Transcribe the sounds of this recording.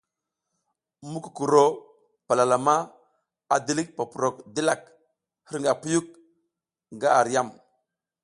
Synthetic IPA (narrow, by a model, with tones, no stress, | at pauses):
mu˦ku˨ku˨ɾo˨ | pa˨la˨la˨ma˦ | a˨di˦li˦k̚pa˨pu˨ɾo˨k̚di˦la˨k̚ | hə˦ɾŋɡa˨pu˦ju˦k̚ | ŋ˨ɡa˦a˨ɾi˨ja˦˨m